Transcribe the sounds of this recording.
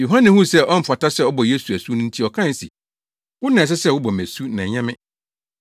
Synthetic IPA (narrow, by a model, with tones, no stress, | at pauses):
jo˨ɦã˦nɪ̃˨hũ˦˨sɛ˦˨ʔɔ˦m̩˨fa˨ta˦sɛ˦˨ɔ˦bɔ˨je˦su˨æ˨su˦nʊ̃˦n̩˦tʰi˦ɔ˨kʰã˦n˨si˨ | wʊ˦nã˨s̬ɛ˦sɛ˦˨wʊ˦bɔ˨mæ̃˨su˦nã˨ɲɛ̃˦mɪ̃˦